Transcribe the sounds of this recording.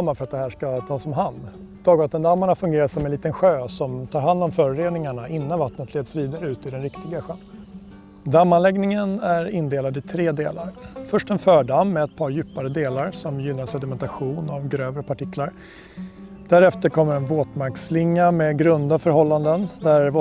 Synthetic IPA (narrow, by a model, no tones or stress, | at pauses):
mːaɾfœɾat̪̚d̪ɛhɦæːʂkat̪ʰɑːsɔmɦand̪ | d̪̥ɑːɡvat̪ːənd̪amːaɳafɵŋɡeːɾasɔmɛnliːt̪ənɧøːsɔmt̪ʰɑːɾɦand̪ɔmfœɾɾeːd̪nɪŋaɳaʔɪnːanvat̪nət̪ʰleːd̪sviːd̪aɾəʉ̟ːt̪ɪd̪ɛnɾɪkt̪ɪɡaɧøn | d̪amːanlɛɡnɪŋənæɾɪnd̪eːlad̪ɪt̪ʰɾeːd̪eːlaɾfœʂʈɛnfœːɖamːɛɛt̪̚pʰɑːɾjʉ̟ːpaɾəd̪eːlaɾsɔmjʏnːasɛd̪ɪmɛnt̪aɧuːnavɡɾøːvɾəpʰaʈɪklaɾ | d̪̥æɾɛft̪əɾkʰɔmːəɾɛnvoːt̪maɾkslɪŋːamɛɡɾɵnd̪afœɾɦɔlːand̪ənd̪æɾvoː